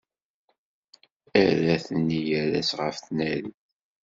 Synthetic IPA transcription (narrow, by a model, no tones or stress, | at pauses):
æðæθənːijæɾæsʁəfθnæli